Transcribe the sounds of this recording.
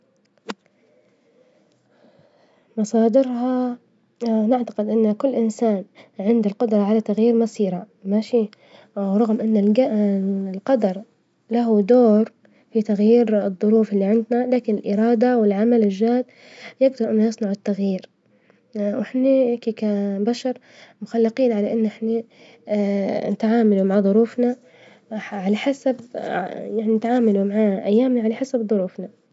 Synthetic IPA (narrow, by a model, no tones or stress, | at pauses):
mɑsˤɑːd̪ɪɾɦɑ | nɪʕt̪ḁqɪd̪ʔɪnːkʊlːʔɪnsaːnʕɪnd̪ɪlqʊd̪ɾˤɑʕalat̪aɣjiːɾmasiːɾa | maʃiː | ɾˤɑɣmʔɪnːalalqɑd̪ɑɾˤ | laɦud̪oːɾ | fit̪aɣjiːɾɨðˤːʊɾuːfɪlːiʕɪnd̪nalaːkɪnɪlʔɪɾˤɑːd̪awɪlʕamalɪʒːaːd̪ | jɪɡd̪ɑɾˤʔɪnːʊjɨsˤnɑʕɪt̪ːaɣjiːɾ | wʔɪħnikikabaʃɑɾˤ | mʊxalːɪqiːnʕalaʔɪnːʔɪħna | nɪt̪ʕaːmalumaʕaðˤʊɾuːfna | ʕalaħasabjaʕninɪt̪ʕaːmalumaʕaːʔa̰jːaːmnaʕalaħasabðˤʊɾuːfna